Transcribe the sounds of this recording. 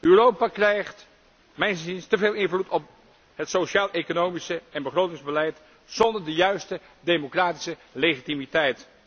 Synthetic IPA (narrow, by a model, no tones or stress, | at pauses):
yːrowpaːkrɛjχt | mɛjnzinstəveːlˠɪnvlutɔp̚ | ɦətsowʃaːlˠʔekonowmisəɛnbəχrowtɪŋzbəlɛjt | z̥ɔndəɹdəjœɥstə | demokraːti̥səlejχitimitɛjt